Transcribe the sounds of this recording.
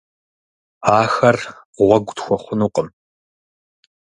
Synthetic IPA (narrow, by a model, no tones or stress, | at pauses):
aːxɐr | ʁʷɐɡʷtxʷɔχʷʊnuːqʼəm